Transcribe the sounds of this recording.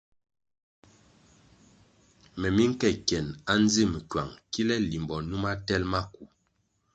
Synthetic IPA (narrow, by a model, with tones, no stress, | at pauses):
mɛ˨mi˦ŋ̩˦kɛ˦˨kjɛ˨na˦n˦ze˦˨mi˨kɥwa̰˨ŋki˦lɛ˦li˨mbɔ˨nu˦ma˦tɛ˦lma˦ku˨